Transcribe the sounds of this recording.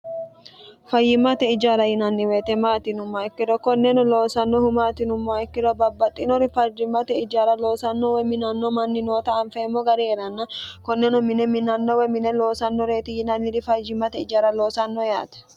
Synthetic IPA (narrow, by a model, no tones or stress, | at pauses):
fɐjːɪmɐt̪ɛɪd͡ʒaːɾɐjɪnɐnːɪweːt̪ɛmaːt̪ɪnʊmːoɪkːɪɾɔkɔnːɛnʊlo̞ːsɐnːɔhʊmaːt̪ɪnʊmːoɪkːɪɾɔbɐbːɐt̪ʼːɪnɔɾɪfɐd͡ʒɪmːɐt̪ɛɪd͡ʒaːɾɐlo̞ːsɐnːowɛmɪnɐnːomɐnːɪnoːt̪ɐːɱfɛmːoɡɐɾeɛɾɐnːɐkɔnːɛnɔmɪnɛmɪnɐnːowɛmɪnɛloːsɐnːɔɾeːt̪ɪjɪnɐnːɪɾɪfɐd͡ʒɪmːɐt̪ɛɪd͡ʒaːɾɐloːsɐnːoja̰ːt̪ɛ̥